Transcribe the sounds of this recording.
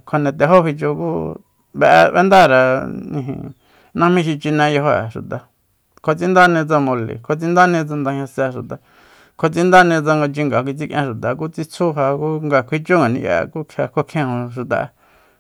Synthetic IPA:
kʰo˧nẽ˧t̪e˧ɦo˦hi˧t͡ʃo˧kṵ˦ | βḛ˧ʔβḛ˦nd̪a˦˨ɾa˨nĩ˧ɦḭ̃˧ | nã˦mĩ˦˧ʃ̬i˧t͡ʃi˧nẽ˧jo˧ɦo˧a̰˨ʃṵ˨t̪a˨ | kʰo˧t͡sĩ˦nd̪a˦nĩ˧t͡sa˧mõ˧lḭ˨kʰo˧t͡sĩ˦nd̪a˦nĩ˧t͡sa˧nd̪ã˧hɲã˧sa˧ʃu˨t̪a˨ | kʰo˧t͡si˦nd̪a˦nĩ˧t͡sa˧ŋɡo˧t͡ʃi˧ŋɡa˨kʷi˧t͡si˦kʔẽ˧ʃu˨t̪a˨˧k̬u˦t͡si˦t͡sʰu˦ɦa˧ku˦ŋɡa˧kʷʰi˧t͡ʃu˦ŋɡa˨nḭ̃˧ja̰˧ku˦kʰa˧kʰʷo˧kʰẽ˧hõ˧ʃu˧t̪a̰˨a̰˧

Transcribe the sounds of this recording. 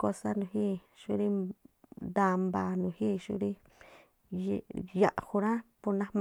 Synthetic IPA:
ko˧sa˦nũ˨hi˦ | ʃu˦ɾi˦ | d̪a˧mba˨nũ˨hi˦ʃṵ˦ɾi˦˧ | ja˧˨ʔhu˧ɾã˦pu˧nã˦m

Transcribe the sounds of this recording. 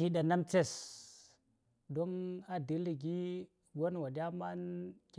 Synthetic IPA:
i˨˦ɗa˨na˦mt͡se˦s | do˦na˨di˨li˨ɡi˦ | ɡo˦n˨wa˨dʲa˦ma˦nkʲ

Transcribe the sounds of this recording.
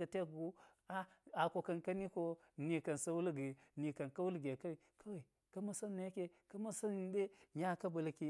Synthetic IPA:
a˨te˦kɡu˦ | a˦a˨ko˨ka˨nka˦ni˦ko˦ | ni˨ka˨nsa˦wu˦lɡi˨ni˨ka˨nka˦wu˦lɡe˨ka˦wka˦wa˨i˨ | ka˦ma˦sa˦nːa˨jke˨ka˦ma˦sa˦n˨ɗe˦ɲa˦ka˦ba˨lki˦

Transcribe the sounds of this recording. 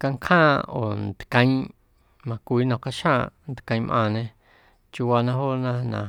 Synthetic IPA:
ka˧ŋkʰhãː˦˨o̰˨nd̪kã˧ĩ˦ | mã˧kʷiː˨˦nã˧˨ka˧ʃã˦˧nd̪kã˧ĩ˧mʔã̰˧nẽ˧ | t͡ʃu˧wa˧nã˦ɦo˦nã˦nã̰˨

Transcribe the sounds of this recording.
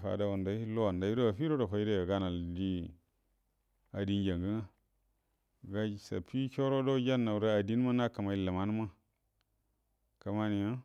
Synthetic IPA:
fa̰˨da˦wa˨nda˦i˦lo˦wa˨nda˨˦ɾo˦a˨fi˦ɾo˦do˨fa˨i˦de˦a˨ɡa˦na˨ldi˦ | a˨di˦nd͡ʒa˨ŋɡə˦na˦ | ɡa˦˨sa̰˨pʰi˦kʲo˦ɾo˦do˦d͡ʒa˦nːa˨u˨ɾa˦a˨di˦n˦ma˦na˦ka˨ma˨i˦la˨ma˦n˦ma˦ | ka˨ma˦ni˨ja˦

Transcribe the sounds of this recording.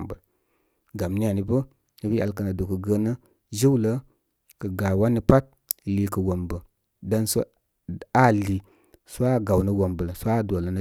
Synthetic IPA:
mbə˨l | ɡa˨mni˦a˨ni˨bə˦ | ni˦bi˦a˨lkə˨na˨du˨kə˨ɡə˧nə˦ | d͡ʒi˦wlə˦ | kə˨ɡa˨wa˦ni˦pa˦t̚ | li˨kə˨wo˨mbə˨ | da˦nsu˦ | a˦li˨ | su˦a˦˨ɡa˨wnə˦wo˨mbə˨lsu˦a˦˨do˨lə˨nə˦

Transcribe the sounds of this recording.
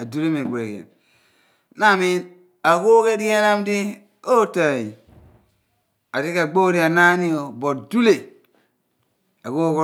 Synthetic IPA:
a˨du˦le˦me˨ɡʷe˨kḛ˨n | na˦˨mi˦n | a˨ko˦ke˦ɾi˦ja˦na˦m˦di˦ | o˦ta˨ji˨ | a˨ɾi˦ka˨ɡ͡bo˦ɾi˦a˨na˦ni˦o˨bo˨tdu˦le˨ | a˨ko˦k

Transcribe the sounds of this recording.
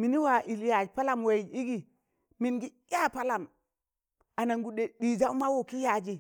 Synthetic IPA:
mi˨ni˦wa˨ʔi˨lja˨d͡ʒpa˦la˨mwe˨i˦i˦ɡi˨ | mi˨nɡi˦jʲa˦pa˦la˨m | a˨na˨ŋɡu˨ɗe˨ɗi˨d͡ʒa˦ma˦wo˨ki˦ja˨d͡ʒi˨

